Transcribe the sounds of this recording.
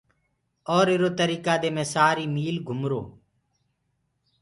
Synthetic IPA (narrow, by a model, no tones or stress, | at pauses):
ɔːɾeɾoːt̪əɾiːkaːd̪eːmẽːsaːɾiːmiːlɡʱʊmɾo̰ː